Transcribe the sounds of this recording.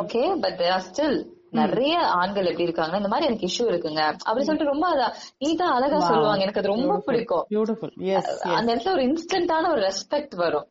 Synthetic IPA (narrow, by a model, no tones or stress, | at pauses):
oːkeːbɐʈ̚ɾaːsʈɪl | nɪɾɐjɐaːɳɡɐɭɛpːɽiːɪɾɯkːaːŋɡɐɪnd̪ɐmaːɾiɛnɐkːɯɪʂːuɪɾɯkːɯŋɡɐʔɐ̰pːɐɽisɔlːɪʈːɯɾɔmbɐɐða | niːt̪ãːɐlɐɣaːsɔlːɯʋaːŋɡɐɛnɐkːɐðɯɾɔmbɐpɪɽɪkːõj | ɐ̰nd̪ɐɛɾɐt̪ːlɔɾɯɪnsʈɐɳʈaːnɐɔɾɯɾɛspɛk̚ʈʋɐɾʊ̃